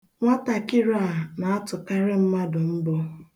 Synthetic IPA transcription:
ŋʷa˦ta˨kɪ˦ɾa˦˨na˨a˦tʊ˨ka˦ɾɪ˦m̩˦ma˦dʊ˨m̩˦bo˦

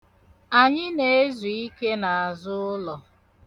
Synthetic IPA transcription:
a˨ɲɪ˦ne˦e˦zu˨i˦ke˦na˨a˨zʊ˦ʊ˦lɔ˨

